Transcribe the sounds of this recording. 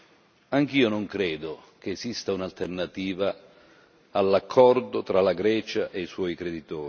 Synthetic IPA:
aŋk̟iːonoŋkɾɛːd̪okeːzist̪aunalt̪ernat̪iːvaː | lːakʰːɔrd̪ot̪ɾalaɡɾɛːt͡ʃaʔeiswɔjkɾed̪it̪ɔːɾi

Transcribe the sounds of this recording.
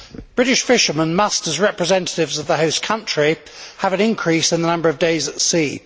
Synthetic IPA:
b̥ɹɪɾɪʃfɪʃəmə̃nmʌstəzɹɛpɹɨzɛ̃ntə̥tɪvzəvðəɦəʊskʰʌ̃nt͡ʃɹ̥i | əvə̃nɪ̃nkʰɹ̥iˑsɪ̃nðənʌ̃mbəɹəvdeɪzətsiː

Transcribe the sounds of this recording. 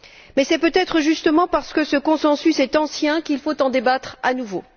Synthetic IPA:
mɛsɛpøt̪ɛt̪χəʒyst̪əmɑ̃paʁsə̥kəsəkɔ̃sɑ̃sysɛt̪ɑ̃sjɛ̃kilfot̪ɑ̃d̪ebat̪χanuvo̰

